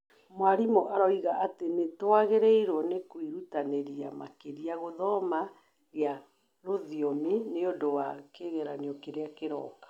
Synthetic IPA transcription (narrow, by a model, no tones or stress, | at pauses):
mwaɾimoʔaɾɔiɣaʔatenetwaɣeɾɛiɾwɔnekwiɾutaneɾia̰ma̰keɾiaɣoðɔma | ɣja | ɾoðiomineodowakeɣɛɾaniɔkeɾeakeɾɔ̰kḁ